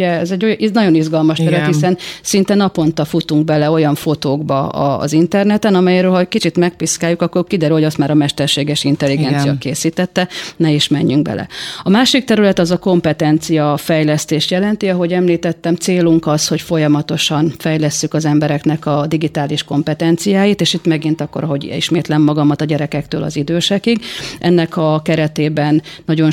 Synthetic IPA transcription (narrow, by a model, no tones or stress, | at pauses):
ɛɛzɛɟonɒɟo̞nizɡɒlmɒʃt̪ɛɾylɛt̪hisɛnsin̪t̪ɛnɒpo̞nt̪ɒfut̪uŋɡ̚bɛlɛo̞jɒɱfo̞t̪oːɡbɒɒ̰ːzint̪ɛrnɛt̪ɛnɒmɛjɛɾøːlɦɒkit͡ʃit̪mɛk̚piskaːjːukɒkːorkid̪ɛɾylhoɒst̪maːɾɒmɛʃt̪ɛrʃeːɡɛʃint̪ɛlːiɡɛnsijɒkeːsiːt̪ɛt̪ːɛnɛiʃmɛɲːyŋɡ̚bɛ̰lɛ̰ɒmaːʃik̚t̪ɛɾylɛt̪ɒzɒko̞mpɛt̪ɛnt̪sijɒfɛjlɛst̪eːʃt̪jɛlɛnt̪iɒɦo̞ɟɛmliːt̪ɛt̪ːɛmt̪seːluŋkɒshocfo̞jɒmɒt̪o̞ʃɒnfɛjlɛsːykɒzɛmbɛɾɛknɛkɒd̪iɡit̪aːliʃko̞mpɛt̪ɛnt̪sijaːjit̪eːʃit̪mɛɡint̪ɒkːo̞ɾɒɦo̞ɟḭʃmeːt̪lɛmːɒɡɒmɒt̪ɒɟɛɾɛkɛkt̪øːlɒ̰zid̪øːʃɛkiɡʔɛ̰nːɛkʰɒkɛɾɛt̪eːbɛnːɒɟo̞n